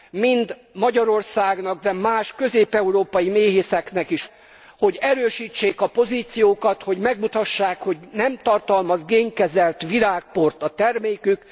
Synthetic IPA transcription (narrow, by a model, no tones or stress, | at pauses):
mind̪ | mɒɟɒɾo̞rsaːɡnɒɡ̚d̪ɛmaːʃkø̞zeːpɛuɾoːpɒjimeːɦeːsɛknɛkiʃ | ho̞ɟɛɾøːʃiːt͡ʃːeːkɒpo̞ziːt̪sijoːkɒt̪ho̞ɟmɛɡmut̪ɒʃːaːkho̞ɟnɛmt̪ɒrt̪ɒlmɒzɡeːŋkɛzɛlt̪ʋilaːk̚po̞rt̪ɒt̪ɛrmeːkyk